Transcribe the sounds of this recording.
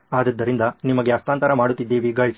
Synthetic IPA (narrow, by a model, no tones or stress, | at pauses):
aːd̪ɐd̪ːɐɾind̪ɐnimɐɡe̞ɐst̪aːnt̪ɐɾɐmaːɽut̪ːid̪ːe̞ːʋiɡɐɭs